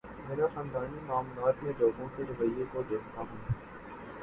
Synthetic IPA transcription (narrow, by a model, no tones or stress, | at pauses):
meːɾaxə̃nd̪aːnimaːmlaːt̪mẽloːɡõkeɾɐʋəjːekod̪eːkʰt̪aɦũː